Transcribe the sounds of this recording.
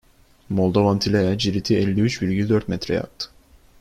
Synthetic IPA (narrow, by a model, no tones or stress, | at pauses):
molˠd̪ovant̪ʰilʲejad͡ʒiɾit̪ʰiɛlʲːiyt͡ʃbilɟild̪øɾt̪mɛt̪ɾɛja̰k̚t̪ʰɯ̥